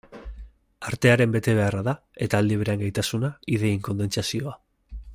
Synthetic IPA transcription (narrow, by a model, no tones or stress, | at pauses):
aɾt̪e̞aɾe̞mbe̞t̪e̞β̞e̞araða | e̞t̪aːld̪iβ̞eɾeaŋɡajt̪asunaiðe̞jiŋko̞nd̪e̞nt͡sasio̞a